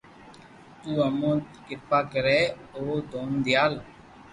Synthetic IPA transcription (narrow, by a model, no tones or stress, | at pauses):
t̪uːəmõːt̪kɪpaːkəɾɛːoːd̪oːnd̪ɪjaːl